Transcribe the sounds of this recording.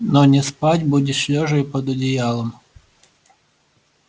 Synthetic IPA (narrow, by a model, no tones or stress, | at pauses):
nonʲɪspatʲbudʲɪɕlʲoʐɨjpəd̪ʊdʲɪjalˠəm